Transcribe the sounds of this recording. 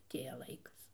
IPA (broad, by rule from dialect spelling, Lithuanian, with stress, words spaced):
ɐˈtʲeːjɛ ˈlˠɐɪkɐs